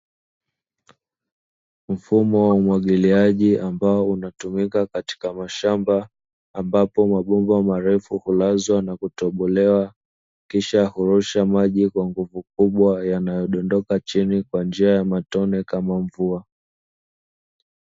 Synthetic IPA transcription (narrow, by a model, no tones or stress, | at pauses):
m̩fumɔwaumwaɠiliaʄiʔambaɔunatumikakati̥kamaʃambaː | mbapɔmaɓumbamaɾɛfuhulazwanakutɔɓɔlɛwa | kiʃahuɾuʃamaʄikwaŋɡuvukuɓwajanajɔɗɔndɔkat͡ʃinikwand͡ʒiajamatɔnɛkamaɱvua